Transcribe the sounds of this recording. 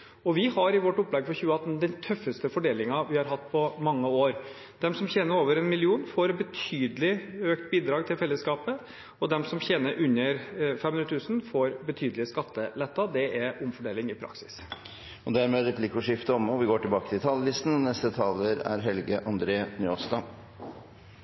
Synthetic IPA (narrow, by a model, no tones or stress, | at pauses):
ɔʋɪhɑɾɪʋɔʈːʊpːlɛɡəfɔçʉːəɑt̪ːnd̪ɛnt̪ʰœfːəst̪əfɔɖeːlɪŋɑʋɪhɑɾɦɑt̪ːpʰɔmɑŋːəoːɾ | d̪̥ɛmsɔmçeːnəɾoːʋəɾɛnmɪlɪuːnfoːɾbət̪ʰyːd̪əlɪøːk̚t̪̚biːd̪ɾɑːɡ̚t̪ʰɪlfɛlːəskɑːpə | ɔd̪ɛmsɔmçeːnəɾʔʉnːəɾfɛmːʉnɾət̪ʰʉːsnfoːɾbət̪ʰyːd̪əlɪskɑt̪ːəlɛt̪ːɑd̪ɛʔɛɾʊmfɔɖeːlɪŋɪpʰɾɑ̰ksɪ̥s | ɔd̪æɾmeːɾɛpʰlɪkːɔʂɪft̪əɔmɔʋɪɡoːʈɪlbɑːkə̥t̪ʰɪlt̪ʰɑlːəlɪst̪n̩nɛst̪ət̪ʰɑːləɾæ̰ɾɦɛlɡəʔɑnd̪ɾeːnʏost̪ɑ